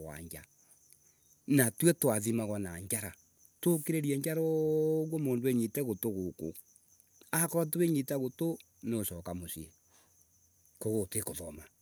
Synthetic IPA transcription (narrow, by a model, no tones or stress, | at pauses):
wa̰ɲd͡ʒa̰ | natwɛtwaðimaɣwanaɲd͡ʒaɾa | tokeɾeɾiɛɲd͡ʒaɾɔɣwɔmoːndoeɲitɛɣotoɣoko̰ | akɔɾatoeɲitaɣoto | neoʃɔkamoʃie | koɣotwekoðɔma